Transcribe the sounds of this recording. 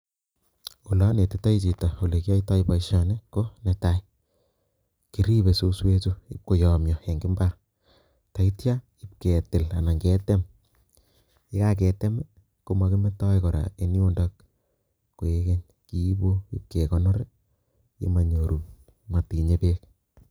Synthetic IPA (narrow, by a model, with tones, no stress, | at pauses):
u˨la˦ne˨tɪ˦ta˦i˦t͡ʃi˨tɔ˨o˨le˨ki˦a˦ita˦ipa˨iʃɔ˦ne˦ko˦neta˦i | ki˨ɾi˦βe˨so˦swe˦tu˦ḭ˦p̚ko˨jɔ˨mjɔ˨e˨ŋɡi˦mba˦ɾ | ta˨itja˦ | i˦p̚ke˨tɪ˨la˨na˨ŋɡe˦te˦m | ɪ˦ka˦k̬e˨te˦mɛ˦ | ko˦ma˨ki˦me˦tɔ˦jko˨ɾa̰˨e˦ni˦o˦nda˦k | ko˨e˦ke˦ɲ | ki˦bo˦i˦p̚ke˨kɔ˦nɔ˦ɾe˦ | ḭ˦ma˨ɲo˨ɾu˨ | ma˨pi˨ɲe˦pe˦k